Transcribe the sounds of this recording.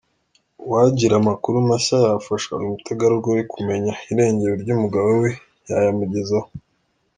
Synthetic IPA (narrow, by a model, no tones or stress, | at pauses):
waɟiɾamakuɾumaʃajafaʃa̰numutʰaɡaɾuɾɡoikʰume̞ɲaiɾe̞ːɲɟeɾoɾɟuːmuɡaβowe̞ | jajamuɟezaho